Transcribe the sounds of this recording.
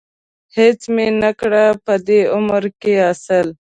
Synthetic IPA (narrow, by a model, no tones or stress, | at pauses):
het͡smenakɽapəd̪eʊməɾkeasəl